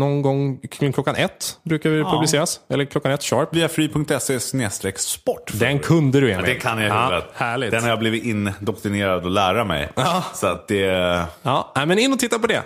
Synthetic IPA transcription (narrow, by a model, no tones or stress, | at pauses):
nɔnɡɔŋːklɔkːanʔɛt̪ːbɾʉ̟ːkaɾvɪpʰɵblɪseːɾasɛlːəɾkʰlɔkːanɛt̪ːɕɑːɾpviːafɾyːpʰɵŋk̚t̪ɛseːsneːst̪ɾɛkspɔʈːd̪ɛnkʰɵnd̪əd̪ɵɛmɛd̪ɛnkʰanjaʉːət̪hæːɭɪɡd̪ɛnhaɾjabliːvɪt̪ɪnd̪ɔkt̪ɾɪneːɾad̪ɔlæːɾamɛ̰jːsɔat̪̚d̪ɛɑːnæmɛnɪnːɔt̪ʰɪt̪ːaɾpɔd̪ɛ̰